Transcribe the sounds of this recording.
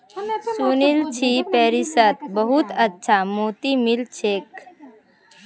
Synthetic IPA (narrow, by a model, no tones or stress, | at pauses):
suːnilt͡ʃʰipɛːɾisət̪̚bəɦut̪ətːʃʰamoːt̪imilt͡ʃʰeːk